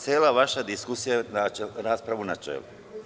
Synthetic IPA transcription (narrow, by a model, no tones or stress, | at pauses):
seːlˠaʋaʃad̪iskusijanaɾaːspɾaʋunat͡ʃḛːlu